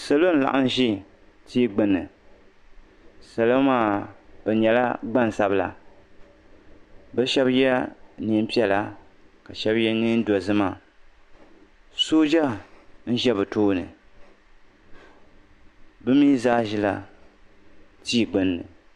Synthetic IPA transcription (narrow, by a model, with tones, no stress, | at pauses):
sa˨lo˦n̩˦la̰˨ʔa˦n˦ʒi˦ | tʰiː˦ɡ͡bɨ˦nːɨ˨ | sa˨lo˦maː˦˨b̥ɛ˨ɲɛ˨la̰˦ɡ͡ba˦n˨sa˦bla̰˨ | bɛ˦ʃɛ˦bjɛ˦ni˦m˦pi˦ɛ˨la˦ | ka˨ʃɛ˦bjɛ˦ni˦n̩˦dɔ˨zɨ˦ma˨ | so˦d͡ʒa˦n̩˦ʒɛ˦bɨ˨toː˦nɨ̰˨ | bɨ˦miː˦zaː˦ʒi˦la̰˨ | tʰiː˦˨ɡ͡bɨ˨˦nːɨ̰˨